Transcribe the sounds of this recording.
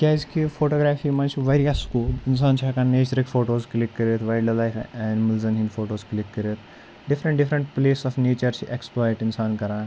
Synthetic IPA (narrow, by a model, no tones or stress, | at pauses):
kʲaːzkifoʈoːɡɾaːfiːmɐ̃nt͡ʃiʋaɾjasːkuːlins̬aːnt͡ʃʰaːkãneːt͡ʃɾikfoːʈoːzklikːəɾet̪ʰʋajɖɐlajfɛ̃nɖməlzɐnɦĩnfoːʈoːzklikːəɾet̪ʰ | ɖifɾə̃ɳʈɖifɾəɳʈpleːsɔfneːt͡ʃɐɾt͡ʃiʔeksplɔːjʈinsaːnkɐɾãː